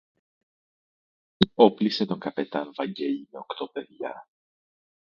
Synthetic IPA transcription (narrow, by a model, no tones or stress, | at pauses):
iopliset̪o̞ŋkɐpe̞t̪ɐnvɐɲɟe̞ʎimeo̞kt̪o̞pe̞ðʝɐ